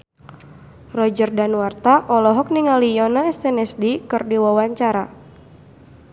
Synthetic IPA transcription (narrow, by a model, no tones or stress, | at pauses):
rɔd͡ʒərdanuart̪aʔɔlɔɦɔk̚niŋalijɔnaɛst̪ɛnɛsdikɨrdiwawaɲt͡ʃaɾa